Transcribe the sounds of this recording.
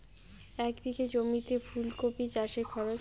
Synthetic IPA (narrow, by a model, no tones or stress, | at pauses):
ɛkd̪iked͡ʑomit̪efʰulkopit͡ɕaʃeɾkʰɔɾot͡ɕ